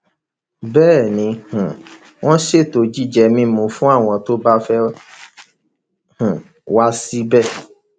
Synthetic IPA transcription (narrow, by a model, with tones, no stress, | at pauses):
bɛː˦˨nĩ˨˧hũ˨ | w̃ɔ̃˦ʃe˦˨to˨d͡ʒi˦˨d͡ʒɛ˧mĩ˧˦mũ˨fũ˦a˦˨w̃ɔ̃˧to˦ba˦fɛ˦ | hũ˨ | wa˦si˦bɛ˦˨